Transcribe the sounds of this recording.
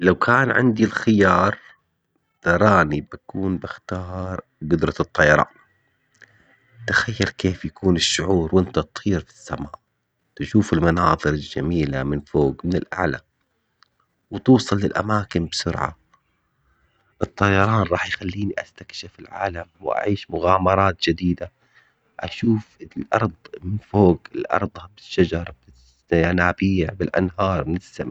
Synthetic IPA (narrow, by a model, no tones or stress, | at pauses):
lawkʰaːnʕɪ̰nd̪ilxɪjɑːɾˤ | t̪ɑɾˤɑːnibakuːnbɪxt̪ɑːɾˤ | ɡʊd̪ɾˤɑɨt̪ˤːɑjɑɾˤɑ̰ːn | t̪axajːɑɾkeːfjakuːnɪʃːʊʕuːɾwʔɪnt̪at̪ˤhiːɾfi̥sːama̰ːʔ | t̪aʃuːfɪlmɑnɑːðˤɨɾɪld͡ʒa̰miːlamɪnfoːɡmɪnɪlʔa̰ʕla̰ | wt̪uːsˤɑlːɪlʔa̰maːkɪmbsʊ̰ɾʕa̰ | ʔɨt̪ˤːɑjɑɾˤɑːnɾˤɑːħjxalːiːniʔast̪akʃɪfɪlʕa̰ːlamwʔa̰ʕiːʃmʊɣaːmɑɾˤɑːt̪̚d͡ʒɪd̪iːd̪a | ʔa̰ʃuːfɪlʔɑɾˤd̪ˤmɪnfoːɡɪlʔɑ̰ɾˤd̪ˤhabɪʃːad͡ʒɑɾˤb̥ɪs | aanaːbɪjːabɪlʔa̰nɦɑːɾˤmɪnɪsːam